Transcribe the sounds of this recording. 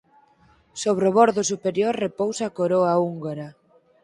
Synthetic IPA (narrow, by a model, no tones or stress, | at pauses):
soβ̞ɾoβoɾðʊsupeɾjoɾrepowsakoɾoauŋɡoɾa